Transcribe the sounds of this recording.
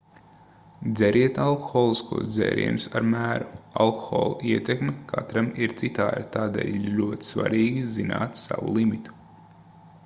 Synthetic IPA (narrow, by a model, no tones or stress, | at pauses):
d̪zɛɾiɛt̪alˠko̥xoːlˠiskṵɔsd̪zḛːɾḭɛnusaɾmæːɾualˠko̥xo̰ːlˠuiɛt̪ekmɛkʰat̪ɾamiɾt̪sit̪a̰ːd̪at̪aːd̪ḛːlʲlʲuɔt̪i̥sva̰ɾiːɡʲizina̰ːt̪sa̰vṵlˠimit̪u̥